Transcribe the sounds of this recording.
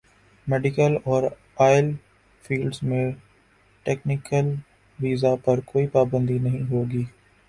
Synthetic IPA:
meːɖɪkəlɔːɾ | aːɪl | fʰiːlɖzmẽ | ʈeːknɪkəl | ʋiːzapɐɾkoːipaːbə̃nd̪inɐɦĩɦoːɡiː

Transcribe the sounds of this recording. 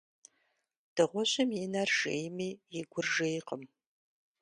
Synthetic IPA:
d̥ɨʁʷɔɕɪmjinɐrʒḛjmiːjɪɡʷʊrʒejqəm

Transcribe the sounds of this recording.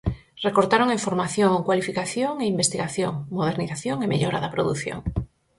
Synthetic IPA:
rekoɾt̪aɾoŋeɱfoɾmaθjoŋkwalifikaθjoŋeimbest̪iɣaθjoŋmoð̞eɾniθaθjoŋemḛʎɔɾaðɐpɾoðuθjo̰ŋ

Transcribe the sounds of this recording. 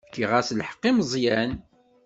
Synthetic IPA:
kːiʁasləħə̥qːiməzˤjæn

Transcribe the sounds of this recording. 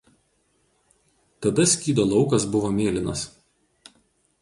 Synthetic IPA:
t̪ɐd̪ɐsʲkʲiːd̪oːlˠɒʊkɐsbʊʋoːmʲeːlʲɪnɐs

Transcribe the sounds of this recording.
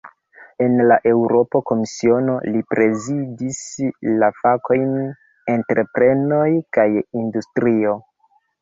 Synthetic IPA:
e̞nlaʔe̞wɾo̞poko̞misio̞no̞lipɾe̞zidislafako̞jn | e̞ntɾʔe̞pɾe̞no̞jkajindustɾio̞

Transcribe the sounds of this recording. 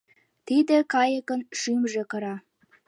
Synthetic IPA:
t̪id̪ĕkɑjəkə̆nʃimʒĕkɤ̆ɾɑ

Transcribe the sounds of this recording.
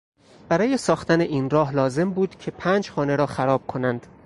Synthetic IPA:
b̥æɾɒːje̞sɒːxt̪æneʔiːnɾɒːɦlɒːze̞mbuːd̪cʰe̞pʰæːnd͡ʒxɒːne̞ɾɒːxæɾɒːb̥̚kʰo̞nænd̪̥

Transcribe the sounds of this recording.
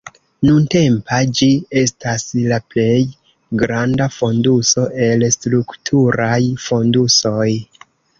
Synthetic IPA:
nunte̞mpad͡ʒie̞staslaple̞j | ɡɾandafo̞nduso̞ʔe̞lstɾuktʰuɾajfo̞nduso̞j

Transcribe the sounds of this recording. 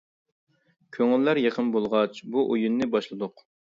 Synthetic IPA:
kʲʰøŋlːæɾjeqʰənbolˠʁɑt͡ʃbuʔojunːɪbɑʃlˠɨd̪ʊq

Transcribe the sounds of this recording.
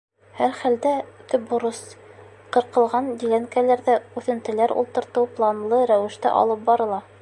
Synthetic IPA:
hæɾχæld̪æt̪ɵp̚bŏɾɤs | qɤ̆ɾqɤ̆lˠʁɑnd̪ilæŋkælæɾðæʉθɘ̆nt̪ɘ̆læɾṵlˠt̪ɤ̆ɾt̪ɤwplˠɑnlˠɤɾæwɘ̆ʃt̪æ̰ʔɒ̰lˠɤp̚bɑɾɤ̆lˠɑ

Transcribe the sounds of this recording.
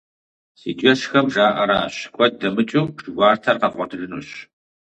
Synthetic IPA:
siːt͡ʃʼɐʃxɐmʒaːʔɐɾaːɕkʷʼɔt̚dɐmɨt͡ʃʼuʒ̥ɡʷɑːrtʰɐrqɐqʷʼɔdɣɨnṵːɕ

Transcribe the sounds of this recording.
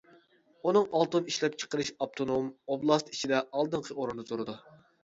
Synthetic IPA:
unɨŋɑlˠt̪ɨniʃlɛp̚t͡ʃʰə̥qəɾɨʃɑp̚t̪ʰonomoblˠɑst̪it͡ʃʰid̪ɛɑlˠd̪ɨɴqʰəoɾɨnd̪ɑt̪ʰoɾɨd̪u

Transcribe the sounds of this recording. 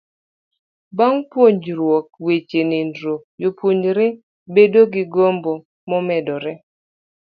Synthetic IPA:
baŋpwoɲd͡ʒɾwɔk̚wet͡ʃenendɾojopwoɲɾe | bedoɡɪɡombo | mɔmɛdɔɾɛ

